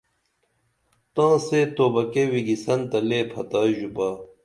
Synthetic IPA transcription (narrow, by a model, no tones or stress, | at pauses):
t̪ãːseːt̪oːbɐkewiɡisɐnt̪ɐleːpʰɐt̪aːʑubaː